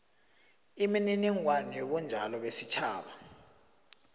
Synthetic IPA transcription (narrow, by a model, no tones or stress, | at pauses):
imininiŋwanɔɓund͡ʒʱalɔɓesit͡ʃʰaːɓa